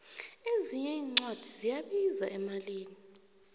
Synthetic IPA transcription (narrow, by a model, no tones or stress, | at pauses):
eziɲɛiːŋ͡ǀwad̥ʱizijaɓizaʔɛmaliːni